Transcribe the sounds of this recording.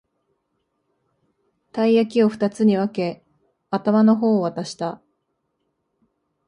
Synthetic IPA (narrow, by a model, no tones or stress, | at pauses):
t̪aiakʲio̞ɸɯ̟̥t̪at͡sɨɲ̟iβ̞ake̞ | at̪amano̞ɦo̞ːβat̪aɕi̥t̪a